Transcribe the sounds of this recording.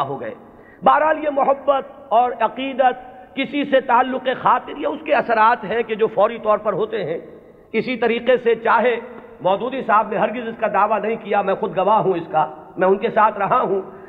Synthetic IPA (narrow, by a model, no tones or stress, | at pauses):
ɦoɡɐḛː | baːɾɦaːljemʊɦəbːət̪̚ɔːɾɐqiːd̪ət̪̚kɪsiset̪aːlːʊqexaːt̪ɪɾjaʊskeɐsəɾaːt̪ɦɛ̃ked͡ʒoːfɔːɾit̪ɔːɾpɐɾɦoːt̪eɦɛ̃ | ɪsit̪ɐɾiːqeset͡ʃaːɦe | mɔːd̪uːd̪iɪsaːbneɦɐɾɡɪzɪskad̪aːʋanɐɦĩkijamɛ̃xʊd̪ɡɐʋaɦũɪskamɛ̃ʊnkesaːt̪ʰɾɐɦaɦũ